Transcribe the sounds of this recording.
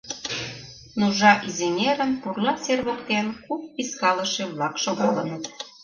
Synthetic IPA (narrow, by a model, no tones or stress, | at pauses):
nuʒɑʔizenʲeɾə̆npurlɑsʲerβokt̪enkup̚piskɑlə̆ʃeβlɑkʃoɣolə̆nə̆t̪